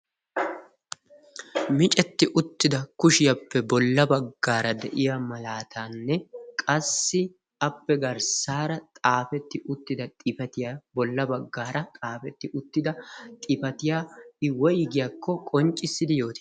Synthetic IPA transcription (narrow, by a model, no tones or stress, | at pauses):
mɪt͡ʃʼɛt̪ːɪʔʊt̪ːɪd̪ɐkʊʃɪjɐpːɛbɔlːɐbɐɡːaːɾɐd̪ɛ̰ʔɪjamɐlaːt̪ʰaːnːɛkʼɐsːɪ | ɐpːɛɡɐɾsaːɾɐt̪ʼaːfɛt̪ːɪʔʊt̪ːɪd̪ɐt̪ʼɪpɐt̪ɪjabɔlːɐbɐɡːaːɾɐt̪ʼaːfɛt̪ːɪʔʊt̪ːɪd̪ɐt̪ʼɪfɐt̪ɪjaːɪwɔjɪɡɪjakʰːɔkʼɔnt͡ʃʼːɪsːɪd̪ɪjo̞ːt̪ɪ